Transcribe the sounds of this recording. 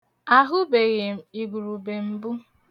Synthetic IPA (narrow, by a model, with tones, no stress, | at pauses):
a˦ɦʊ˦be˨ɣe˨m̩˨i˨ɡʷu˨ɾu˨be˨m̩˦bu˦